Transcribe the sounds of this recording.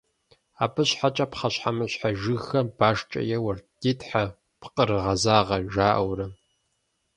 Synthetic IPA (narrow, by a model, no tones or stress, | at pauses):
aːpʰɨɕħat͡ʃʼɐpχɐɕħamɨɕħaʒɨxɐb̥aːʂt͡ʃʼɐ̰jɛwɐrdiːtħa | pqʼəɾɨʁɐzaːʁɐʒaːʔɐwrɐ